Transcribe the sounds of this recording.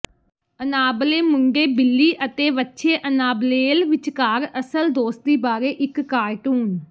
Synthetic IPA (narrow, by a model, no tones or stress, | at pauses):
ənaːbleːmʊŋɡeːbɪlːiːʔət̪eːʋətːʃʰeːʔənaːbleːlʋɪt͡ʃkaːɾəsəld̪oːst̪̚d̪iːbaːɾeːʔɪkːaːjʈuːn